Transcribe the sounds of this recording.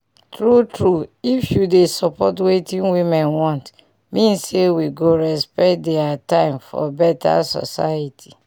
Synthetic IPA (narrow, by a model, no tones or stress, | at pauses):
tɹutɹuifjudesɔpɔtwetĩnwimɛ̃nwɔ̃nt | mĩnsewiɡoɹɛspɛt̚dɛatãɪ̃mfɔ̰bɛtʰa̰sɔ̰sa̰jitʰi̥